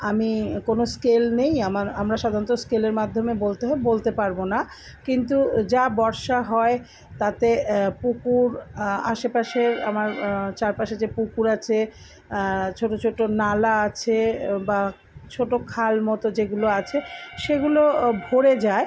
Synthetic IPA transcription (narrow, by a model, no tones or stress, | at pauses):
amikonoskelnejamaɾamɾaʃad̪ʱanot̪oskeleɾmad̪ʱːomebolt̪eɦɔbebolt̪epaɾbona | kint̪ud͡ʑabɔɾʃaɦɔe | t̪at̪epukuɾa̰ʃepaʃeɾa̰maɾt͡ɕaɾpaʃeɾd͡ʑepukuɾat͡ɕʰe | t͡ɕʰoʈot͡ɕʰoʈonalaat͡ɕʰeba | t͡ɕʰoʈokʰalmɔt̪od͡ʑeɡuloat͡ɕʰeʃeɡulobʱoɾed͡ʑae